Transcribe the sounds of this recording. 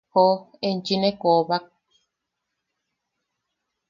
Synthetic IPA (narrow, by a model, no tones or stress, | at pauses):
hoent͡ʃinẽkoβak̚